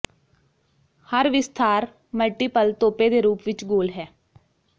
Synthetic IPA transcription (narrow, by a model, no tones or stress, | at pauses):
həɾʋɪst̪ʰaːɾ | məlʈiːpəlt̪oːpeːd̪eːɾuːpʋɪt͡ʃɡoːlɦɛː